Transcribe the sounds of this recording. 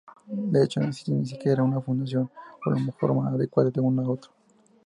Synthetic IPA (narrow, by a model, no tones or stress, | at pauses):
d̪eet͡ʃonesi̥sonis̬ikjeɾaunafund̪as̬jo̞no̰lomexo̞̰ɾmaaðekwaðed̪eunaot̪ɾa